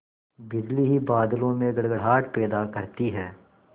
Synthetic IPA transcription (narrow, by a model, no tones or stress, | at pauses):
bɪd͡ʒliɦibaːd̪lõmẽɡɐɽɡəɽ̤ɦaːʈpɛːd̪akɐɾt̪iɦɛː